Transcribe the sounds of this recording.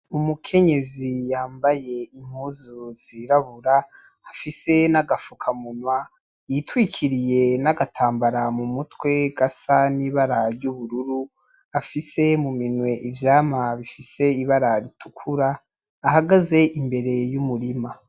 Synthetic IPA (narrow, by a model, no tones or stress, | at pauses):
umukʰe̞ɲe̞zijaːmbaje̞im̥huːzuz̥iɾaβuɾaː | fise̞naɡafukʰamunwa | jitwikʰiɾije̞naɡatʰaːmbaɾamumutwe̞ɡasaniβaɾaɾjuβuɾuɾu | afise̞muminwe̞ʔivjaːmaβifise̞iβaɾaɾitʰukʰuɾaː | haɡaze̞ʔimbe̞ɾe̞jumuɾima